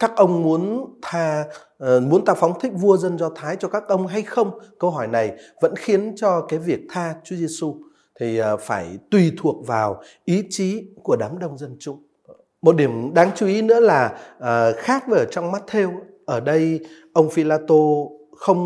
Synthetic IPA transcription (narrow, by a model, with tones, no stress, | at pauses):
kaː˦˥k̚ʔə˧wŋ͡mmu˨˦ənt̪ʰaː˧ | mu˨˦ənt̪ʰaː˧fɔ˨˦wŋ͡mt̪ʰï˦˥k̟̚vu˧əzə˧nzɔ˧t̪ʰaː˨˦jt͡ɕɔ˧kaː˦˥k̚ʔə˧wŋ͡mɦa˧jxə˧wŋ͡mkə˧wɦɔ˧˩jna˨˩jvə̰˧˥nxi˨˦ənt͡ɕɔ˧kaː˨˦jvi˨˩ək̚t̪ʰaː˧t͡ɕu˨˦ze˧su˧ | t̪ʰi˨˩faː˧˩jt̪wi˨˩t̪ʰu˨˩ək̚vaː˨˩w | ʔi˨˦t͡ɕi˨˦ku˧˩əɗaː˨˦mɗə˧wŋ͡mzə˧nt͡ɕʊ̰˧˥ŋ͡m | mo˨˩t̚ɗi˧˩əmɗaː˨˦ŋt͡ɕu˨˦ʔi˨˦nɨ̰˧˥əlaː˨˩˨ | xaː˦˥k̚və˨˩ʔəː˨˩t͡ɕɔ˧wŋ͡mmaː˦˥t̚t̪ʰe˧w | ʔəː˧˩ɗə˧jʔə˧wŋ͡mfi˧laː˧t̪o˧ | xə˧wŋ͡m